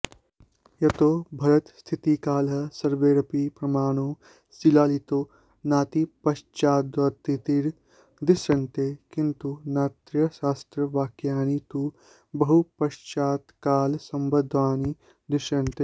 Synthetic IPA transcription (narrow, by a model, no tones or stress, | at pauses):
jɐt̪oːbʱɐɾɐt̪st̪ʰit̪ikaːlɐsɐɾʋeːɾɐpipɾɐmaːnoː | silaːlit̪oː | naːt̪ipɐʃt͡ʃaːd̪ʋɐt̪ːit̪iɾ | d̪ɪʃɐnt̪eːkint̪unaːt̪ɾjɐsaːst̪ɾɐʋaːkjaːnit̪u | bɐɦupɐʃt͡ʃaːt̪kaːlsɐmbɐd̪ʱʋaːni | d̪ɪʃɐnt̪eː